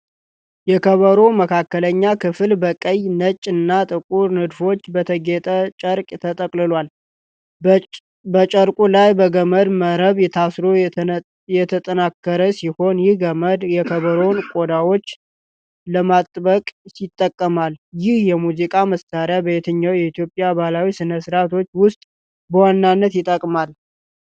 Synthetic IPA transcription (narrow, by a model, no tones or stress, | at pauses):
jɛkʰəβəɾo̞məkʰakːələɲːakʰɨfɨlbəkʼəjnət͡ʃʼːɨnːat̪ʼɨkʼuɾnɨd̪fo̞t͡ʃːbət̪ʰəɡet̪ʼət͡ʃʼəɾkʼt̪ʰət̪ʼəkʼlɨlwal | bət͡ʃʼəɾkʼulajbəɡəməd̪məɾəβjɛt̪ʰasɾo̞ | jɛt̪ʰət̪ʼənakːəɾəsiho̞njɪhɡəməd̪jɛkʰəβəɾo̞nkʼod̪awo̞t͡ʃː | ləmat̪ʼːbəkʼsɪt̪ʼːəkʼːəmaljɪhjɛmuzikʼaməst̪ʰaɾjabəjet̪ʰəɲːawjɛit̪jo̞pʼːjabalawisɨnəsɾat̪ʰo̞t͡ʃːwʊst̪ʼ | bəwanːanːət̪jɪt̪ʼːəkʼmal